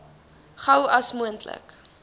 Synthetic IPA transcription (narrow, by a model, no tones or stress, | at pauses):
χɐwɐsmuəntlə̰k